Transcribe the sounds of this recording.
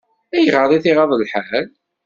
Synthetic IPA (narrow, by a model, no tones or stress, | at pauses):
æjʁəɾˤiθiʁɑðˤəlħal